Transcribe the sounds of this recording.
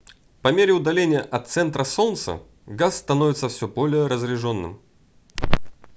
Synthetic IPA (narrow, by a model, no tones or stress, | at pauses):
pɐmʲeɾʲɪʊd̪ɐlʲenʲɪjəʔɐt̪sɛnt̪ɾəso̞nt̪sə̰ | ɡasːt̪ɐnovɪt̪səfsʲɵbo̞lʲɪjəɾəzɾʲɪʐo̞nːɨ̰m